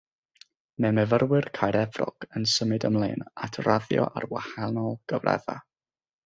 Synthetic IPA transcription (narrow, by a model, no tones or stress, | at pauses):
mɛmɛvərwɪrkʰajɾɛvrɔɡ̥ənsəmɨdəmlˠḛːnatʰraðjɔ̰ʔarwahanɔlˠɡ̥əvrʔɛ̰ða̰